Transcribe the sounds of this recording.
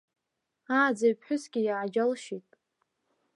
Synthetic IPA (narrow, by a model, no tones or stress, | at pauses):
aːd͡zaɥpʰħʷʊsɡʲɪjaʕad͡ʒalʃitʼ